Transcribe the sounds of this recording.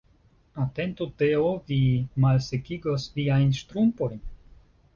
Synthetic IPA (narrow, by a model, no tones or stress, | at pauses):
ate̞nt̪ot̪eovimalsekiɡo̞sviajnʃt̪ɾumpo̞jn